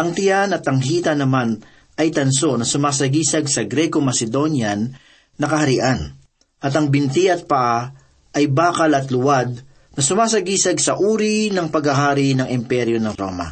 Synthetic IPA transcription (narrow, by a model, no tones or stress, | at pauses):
ʔɐŋt̪ɪjanɐt̪ɐŋɦiːt̪ɐnɐman | ʔɐjt̪ɐnso̞nɐsʊmaːs̬ɐɡiːsɐɡsɐɡɾɛkomɐsɛd̪o̞njɐnː | ɐkɐhɐɾɪʔan | ʔɐt̪ɐŋbɪnt̪iʔɐt̪̚pɐʔa | ʔɐjbaːkɐlɐt̪lʊwad̪̚ | nɐsʊmaːsɐɡiːsɐɡsɐʔuːɾinɐŋpɐɡɐɦaːɾɪnɐŋɪmpɛɾjo̞nɐŋɾo̰ːmɐ̰